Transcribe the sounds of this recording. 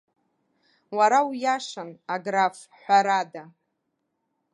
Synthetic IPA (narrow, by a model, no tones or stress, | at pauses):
waɾawjaʂanaɡraf | ħʷaɾada